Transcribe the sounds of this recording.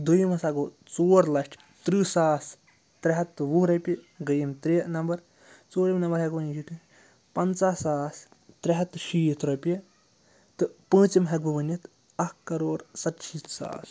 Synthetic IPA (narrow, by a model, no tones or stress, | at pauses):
d̪ujimɐsaɡo | t͡soːɾlɐʂʈʰ | t̪ɾiːsaːs | t̪ɾɐɦɐt̪ːʋuɾɐpʲɐ | ɡɐjimt̪ɾeːnɐmbɐɾ | t͡soːɾimnɐmbɐɾɦɐɡʋɐnit͡ʃʰiʈ̪i | pɐnt͡saːsaːs | t̪ɾeɦɐt̪ʃiːt̪ʰɾɐpijɐ | t̪ɨpə̃ːt͡ʃimɦɐk̚bɐʋɐnit̪ʰ | ɐkkːɐɾoːɾsɐt̪ʃit̪sa̰ːs